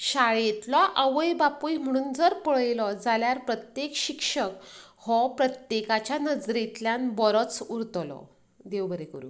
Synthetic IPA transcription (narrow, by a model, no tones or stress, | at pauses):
ɕaɭet̪lɔʔəʋəjbapujm̤əɽ̃uːnd͡zəɾpəɭjlɔd͡zaljaɾpɾət̪jekɕikʂək | hɔpɾət̪jekat͡ɕjanəd͡zɾet̪ljanbɔɾɔt͡suɾt̪lɔ̰ | d̪eʋbəɾekəɾṵːn